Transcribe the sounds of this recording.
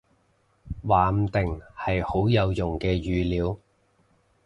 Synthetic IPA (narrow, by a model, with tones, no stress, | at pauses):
waː˨m̩˨˧t̪ɪ˨ŋhɐ˨jho˨˥wjɐ˨˧wjʊ˨˩ŋkɛː˧jyː˨liː˨˧˥w